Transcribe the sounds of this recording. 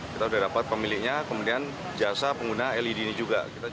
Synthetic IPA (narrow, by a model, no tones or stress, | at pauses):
kit̪audahdapat̪̚pəmilɪk̚ɲakəmudian | d͡ʒasapəŋɡunaɛlidinid͡ʒuɡa̰kit̪a